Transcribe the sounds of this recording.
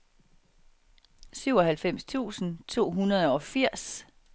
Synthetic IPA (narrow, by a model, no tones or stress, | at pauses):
syʊ̰ɒ̽ɦælfem̰st͡sʰṵːsn̩t͡sʰo̝̰ːɦunɐð̞̩ˠɒ̽fiɐ̰s